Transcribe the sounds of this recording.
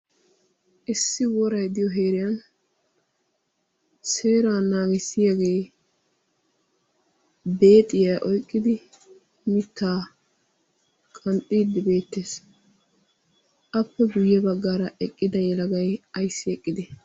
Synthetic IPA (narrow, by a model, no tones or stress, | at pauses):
ʔɪsːɪwɔɾɐjd̪ɪjɔɦe̞ːɾɪjɐn | se̞ːɾaːnaːɡɪsːɪjaɡe̞ː | be̞ːt̪ʼːɪjaʔɔjkʼːɪd̪ɪ | mɪt̪ːaː | kʼɐnt̪ʼːiːd̪ːɪbe̞ːt̪ːeːs | ʔɐpːɛɡʊjːɛbɐɡːaːɾɐʔɛkʼːɪd̪ɐjɛlɐɡɐjɐjsːɪɛkʼːɪd̪ɛ